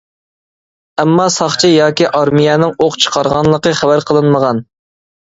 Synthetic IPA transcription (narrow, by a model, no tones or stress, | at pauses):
ɛmːɑsɑχt͡ʃʰijɑːkʲiʔɑɾmijɛnɪŋoqt͡ʃʰə̥qʰɑɾʁɑnlˠəqəχævæɾqʰəlˠɨnməʁɑn